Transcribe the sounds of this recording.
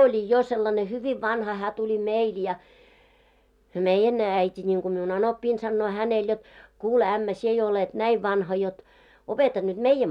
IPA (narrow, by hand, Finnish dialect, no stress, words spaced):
olʲi jo selːɑne hyʋiʋ ʋɑnhɑ hæː tulʲi meil jɑ meijːæn æitʲi nʲiŋku miun ɑnopːiːn sɑnːoː hænel jot kuːle æmːæ sie jo olet næiʋ ʋɑnhɑ jot opetɑ nyt meijːæm